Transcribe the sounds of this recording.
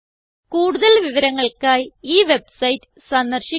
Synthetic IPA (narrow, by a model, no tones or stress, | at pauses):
kuːɽuðɐlʋiʋɐɾɐŋːɐɭkaːjiːʋe̞bsɐjtːɨ̥sɐnd̪ɐrɕi